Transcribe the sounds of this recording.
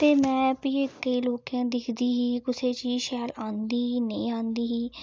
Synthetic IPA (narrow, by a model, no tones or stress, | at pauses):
t̪eːmɛ̃ːpiːkəiːloːkjãːd̪ɪkʰd̪iːɦiːkʊseːt͡ʃiːʃɛːlaːnd̪iːɦiːneĩːãːnd̪iːɦiː